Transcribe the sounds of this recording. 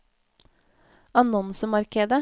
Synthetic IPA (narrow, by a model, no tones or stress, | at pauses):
ɑnɔnsəmɑɾkeːd̪ə